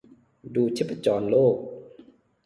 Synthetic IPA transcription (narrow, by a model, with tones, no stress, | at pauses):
duː˨˧t͡ɕʰe˦˥pːa˧t͡ɕɔː˨˩nloː˥˩k̚